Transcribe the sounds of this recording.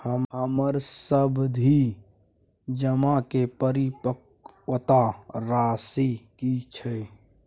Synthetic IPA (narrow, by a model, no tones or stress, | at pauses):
həmɦəməɾsəbd̪ʱi | d͡ʒəmakepəɾipək | ət̪aɾasikit͡ʃʰə